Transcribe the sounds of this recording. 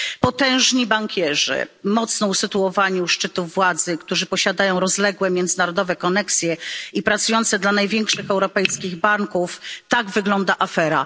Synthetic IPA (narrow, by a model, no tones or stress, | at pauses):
pɔt̪ɛ̃w̃ʐɲibaŋkʲɛʐɘ̰mɔt̪snɔusɘt̪uɔvaɲuʂt͡ʂɘt̪uːwad̪zɘkt̪uʐɘpɔɕad̪ajɔ̃w̃ɾɔzlɛɡwɛmʲjɛnd̪zɘnaɾɔd̪ɔvɛkɔnɛksʲjɛipɾat̪sujɔnt̪sɛd̪lanajvʲjɛŋkʂɘxɛwɾɔpɛjskʲiɣbaŋkuft̪aɡvɘɡlɔnd̪aʔafɛɾa̰